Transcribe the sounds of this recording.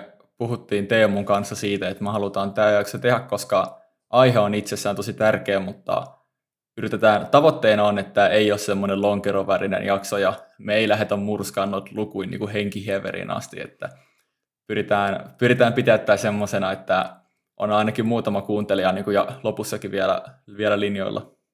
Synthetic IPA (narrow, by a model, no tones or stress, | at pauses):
puhut̪ːiːnt̪eːmuŋkɑnsːɑsiːt̪æet̪mæhɑlut̪ɑːnt̪æːjɑkset̪ehækkoskɑ | ʔɑiɦeonit̪sesːæːnt̪osit̪ærkeːmut̪ːɑ̰ | pyrit̪et̪æːnt̪ɑʋot̪ːeːnɑonet̪ːæeiossemːonelloŋkeroʋːærinḛnjɑksojɑmeeilæɦet̪æmmurskɑːnnoit̪lukuinnḭːŋkuheŋkiheʋḛrḭnɑ̰st̪ḭḛt̪ːæ̰ | pyɾit̪æːnpyrit̪æːmpit̪æt̪ːæsemːosenɑet̪ːæ | ʔo̰nɑinɑkimmuːt̪ɑmɑkuːnt̪eliɑniːŋkujɑlopusːɑkiʋiælæ̰ʋiɛlælinjo̰ilːʔɑ̰